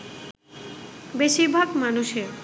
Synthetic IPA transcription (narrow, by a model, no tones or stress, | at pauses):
beʃiɾbʱaɡmanuʃeɾ